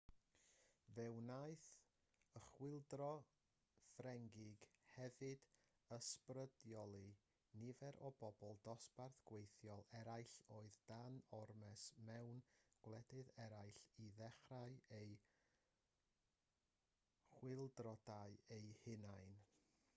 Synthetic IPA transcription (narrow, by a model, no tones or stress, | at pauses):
vɛwnajθ | əχwɪlˠdrɔ | frɛŋɡɪɡ̥hɛvɨd̥ | əsprədjɔlˠi | nɪvɛɾʔɔbɔbɔlˠdɔsparθɡ̥wejθjɔlˠɛɾajɬoːɨðd̥anɔrmɛsmɛwnɡ̥wlˠɛdɨðɛɾajɬiðɛχrajej | χwɪlˠdrɔdajejhɪnajn